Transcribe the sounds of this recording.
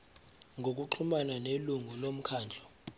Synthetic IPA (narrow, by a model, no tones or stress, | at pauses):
ŋɡʱok̬ʼuǃʰumananeluŋʱulom̩kʰaːnd͡ɮʱɔ